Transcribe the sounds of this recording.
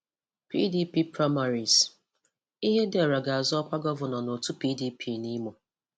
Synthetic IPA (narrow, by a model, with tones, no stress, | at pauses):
pḭ˦di˦pi˦pɾa˦ma˨ɾi˨s | i˦ɦe˦de˨ɔ˨ɾa˨ɡa˨a˨zɔ˦kʷa˦ɡɔ˦vʊ˨nɔ˨no˨tu˦pi˦di˦pʰi˦ni˦mo˨